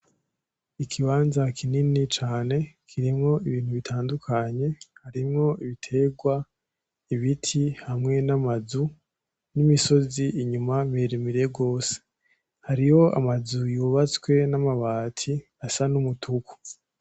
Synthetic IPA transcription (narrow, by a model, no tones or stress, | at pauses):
ikʰiβaːnzakʰininit͡ʃaːne̞kʰiɾimŋo̞iβiːn̥huβitʰaːndukʰaɲe̞haɾimŋo̞iβitʰe̞ɡwa | iβitʰihamŋe̞namazu | nimiso̞ziiɲumameɾimiɾijeɡo̞ːse̥ | haɾijo̞ʔa̰mazujuːβat͡swe̞namaβaːtʰi | asanumutʰuku̥